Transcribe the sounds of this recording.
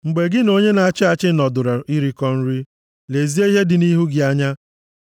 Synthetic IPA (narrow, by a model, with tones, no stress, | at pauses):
ŋ͡m̩˨ɡ͡be˨ɡɪ˦no˦ɲe˦na˨a˦˨t͡ʃɪ˦a˨t͡ʃɪ˦nɔ˨dʊ˨ɾa˨i˦ɾi˦kɔ˦n̩˦ɾi˦ | le˨zi˦e˦i˦ɦe˦dɪ˨ni˦ɦu˦ɡɪ˨a˦ɲa˦